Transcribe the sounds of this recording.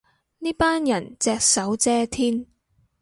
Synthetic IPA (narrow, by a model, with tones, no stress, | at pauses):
niː˥paː˥njɐ˨˩nt͡sɛː˧k̚sɐ˨˥wt͡sɛː˥t̪ʰiː˥n